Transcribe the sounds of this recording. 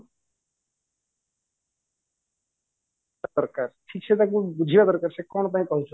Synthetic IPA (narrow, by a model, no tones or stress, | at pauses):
d̪ɔɾkaɾʈʰiːk̚t͡ʃʰet̪ak̬ũbud͡ʒʱibad̪ɔɾkaɾt͡ʃʰekɔːnt̪aɦĩkɔɦut͡ʃʰ